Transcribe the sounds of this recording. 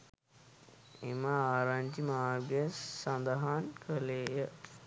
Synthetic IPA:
emaaːɾaɲd͡ʒimaːɡəsand̪əɦankʰəleːjə

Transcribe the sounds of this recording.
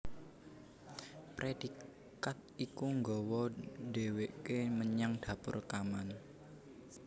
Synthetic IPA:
pɾʔed̥i | kat̪̚ikuŋɡɔwɔde̤weʔkeməɲaŋd̪̥a̤pʊ̰rkaman

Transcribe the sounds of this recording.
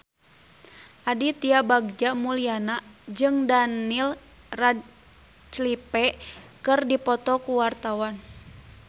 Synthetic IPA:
ʔadit̪iabaɡ̚d͡ʒamulianad͡ʒɨŋdanil | rad̚ | t͡ʃlipɛkɨrdipɔt̪ɔkuwart̪awan

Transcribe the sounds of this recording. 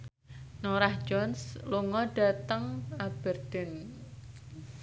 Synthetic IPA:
noɾahd͡ʒɔnsluŋɔɖ̥a̤t̪əŋab̥ərd̪̥ɛn

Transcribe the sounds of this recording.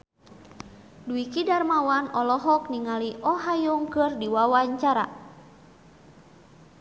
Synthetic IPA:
duikidarmawanɔlɔɦɔkniŋaliʔɔɦajuŋkɨrdiwawaɲt͡ʃaɾa

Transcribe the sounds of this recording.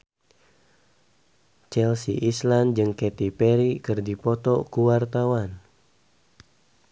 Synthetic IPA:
t͡ʃɛlsḭʔisland͡ʒɨŋkɛt̪ipɛɾikɨrdipɔt̪ɔkuwart̪awan

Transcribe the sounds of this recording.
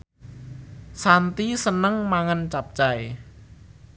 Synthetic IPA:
sant̪isənəŋmaŋant͡ʃap̚t͡ʃaj

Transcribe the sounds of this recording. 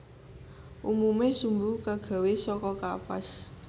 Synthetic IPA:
ʔumumesumbukaɡ̥a̤wesɔkɔkapas

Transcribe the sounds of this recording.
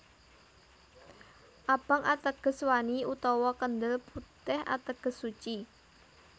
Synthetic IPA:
ʔab̥a̤ŋat̪əɡ̥ə̤swaniut̪ɔwɔkənd̪əlput̪ɛha̰t̪əɡ̥ə̤sːut͡ʃi

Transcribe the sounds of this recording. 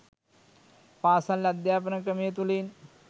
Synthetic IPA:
paːsalːɐɐd̪jaːpɐnɐkɾɐmijɐt̪ulen

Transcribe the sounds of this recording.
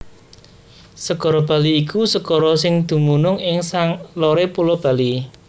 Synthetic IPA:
səɡ̥ɔ̤ɾɔb̥a̤liːkʰusəɡ̥ɔɾɔsɪŋd̪̥ṳmunʊŋɪŋsaŋloɾepulob̥a̤li

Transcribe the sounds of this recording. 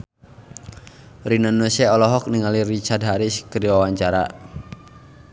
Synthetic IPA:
rinanːosɛɔlɔɦɔk̚niŋaliɾit͡ʃadɦaɾiskədiwawaɲt͡ʃaɾa̰

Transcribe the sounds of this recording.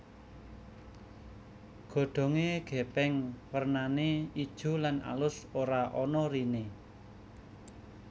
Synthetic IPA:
ɡ̥o̤ɖ̪̥ɔ̤ŋeɡ̥ɛ̤pɛŋwərnaneid̥ʒ̥ṳlana̰lʊsoɾaʔɔnɔɾine

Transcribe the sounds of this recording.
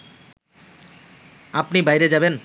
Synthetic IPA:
apnibajɾed͡ʑaben

